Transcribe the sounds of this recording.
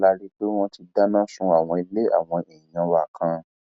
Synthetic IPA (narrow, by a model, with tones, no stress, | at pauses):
la˧ɾi˦k͡pe˦w̃ɔ̃˧ti˧da˦nã˦sũ˧a˨w̃ɔ̃˧i˧le˦a̰˨w̃ɔ̃˧e˨ĩ˨ã˧wa˨kʰã˧